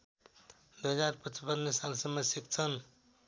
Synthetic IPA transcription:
d̪uɦəd͡zaɾpət͡ʃəpənːesalsəmːəsjək̚t͡sʰən

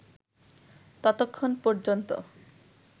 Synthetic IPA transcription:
t̪ɔt̪okʰːonpɔɾd͡ʑont̪o̰

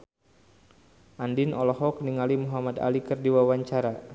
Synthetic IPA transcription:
ʔandinɔlɔɦɔk̚niŋalimuɦamada̰likərdiwawaɲt͡ʃaɾa

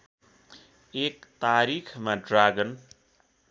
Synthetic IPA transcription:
ekt̪aɾikʰmaɖraɡʌn

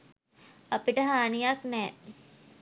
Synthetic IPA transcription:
apiʈəɦaːnijaknɛː

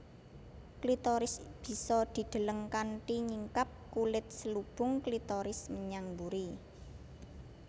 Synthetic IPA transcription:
klit̪ɔɾɪsb̥i̤sɔd̪̥i̤d̪̥ə̤ləŋkanʈiɲiŋkap̚kulɪt̪̚səlub̥ʊ̤ŋklit̪ɔɾɪsməɲaŋbuɾi

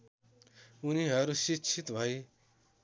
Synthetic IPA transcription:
uniɦʌɾusikt͡ʃʰit̪bʱʌj

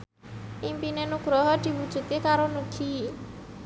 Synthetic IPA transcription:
ʔimpinenuɡ̥ɾɔɦɔd̪̥i̤wud̥ʒ̥ṳt̪ikaɾonuɡ̥i

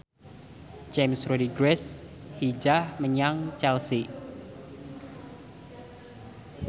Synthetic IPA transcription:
t͡ʃemsrodiɡɾɛs | hid͡ʒahməɲaŋt͡ʃɛlsi

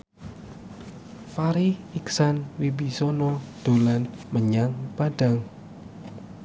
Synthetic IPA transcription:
faɾiiksanwibisɔnɔd̪̥o̤lanməɲaŋb̥ad̥aŋ

